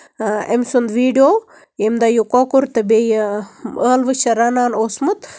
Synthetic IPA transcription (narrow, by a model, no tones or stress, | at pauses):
ḛmʲsund̪ʋiːɖijoː | jemd̪ɐjukokuɾt̪ɐbej | əːlʋɨʃɐɾanaːnoːsmut̪